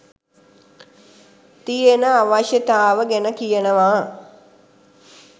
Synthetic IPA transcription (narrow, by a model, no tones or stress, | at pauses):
t̪ijenəaʋaʃjət̪aːʋəɡænəkijənəʋaː